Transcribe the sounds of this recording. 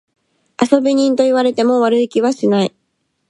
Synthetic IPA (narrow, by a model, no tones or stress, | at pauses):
aso̞bʲiɲ̟ĩnt̪o̞iβaɾe̞t̪e̞mo̞βaɾɯ̟ikʲiβaɕinai